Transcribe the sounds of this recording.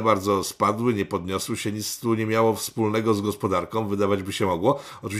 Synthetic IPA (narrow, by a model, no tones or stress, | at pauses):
baɾd̪zɔspad̪wɘɲɛpɔd̪ɲɔswɘɕɛɲit̪st̪uɲɛmʲjawɔfspulnɛɡɔzɡɔspɔd̪aɾkɔ̃w̃vɘd̪avad͡ʑbɘɕɛmɔɡwɔ | ɔt͡ʂɨvʲ